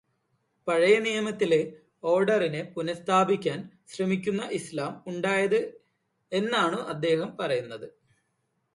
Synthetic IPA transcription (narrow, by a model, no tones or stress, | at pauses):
pɐɻɐjɐnijɐmɐt̪ːile | o̞ːrɖɐrinepunɐst̪ʰaːbikʲːaːnɕrɐmikʲːunːɐʔislaːmuɳɖaːjɐðɨ | e̞nːaːɳoʔɐd̪ːe̞ːhɐmpɐrɐjunːɐðɨ